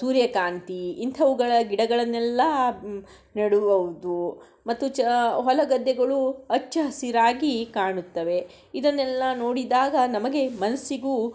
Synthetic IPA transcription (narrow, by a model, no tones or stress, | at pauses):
suːɾjɐkaːnt̪iːnt̪ʰɐʋuɡɐɭɐɡiɽɐɡɐɭɐnːɛlːɐ | nɐɽuʋɐʋud̪u | mɐt̪ːut͡ʃɦɔlɐɡɐd̪ːɛɡɐɭuɐt͡ʃːɐɦɐsiɾaːɡikaːɳut̪ːɐʋe̞ | id̪ɐnːɛlːɐno̞ːɽid̪aːɡɐnɐmɐɡe̞mɐnɐsiɡu